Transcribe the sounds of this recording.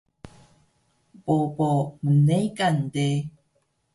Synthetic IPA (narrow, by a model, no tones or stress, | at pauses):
popomunejkand̪e